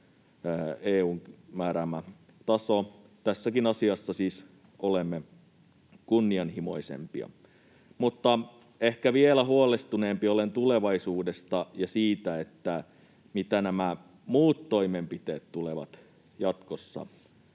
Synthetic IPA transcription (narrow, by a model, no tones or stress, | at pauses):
eːuːŋmæːɾæmæ | t̪ɑso | t̪æsːækinɑsiɑsːɑsiːs | olemːe | kunːiɑnhimo̞̰isḛmpḭɑ̰ | mut̪ːɑ | ehkæʋielæhuolest̪uneːmpiolent̪ule̞ʋɑisuːdest̪ɑjɑsiːt̪æet̪ːæ | mit̪ænæmæ | muːt̪ːoimempit̪eːt̪t̪uleʋɑ̰t̪ | jɑt̪kosːɑ̰